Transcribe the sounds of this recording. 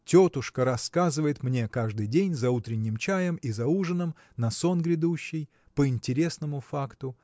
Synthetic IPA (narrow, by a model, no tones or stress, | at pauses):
tʲot̪ʊʂkəɾɐskazɨvəjɪt̪mnʲe̞kaʐd̪ɨjdʲenʲzɐut̪ɾʲɪnʲːɪmt͡ɕajəmizɐuʐɨnəm | nɐso̞nɡɾʲɪd̪uɕːɪj | pəɪnʲtʲɪɾʲe̞snəmʊfakt̪ʊ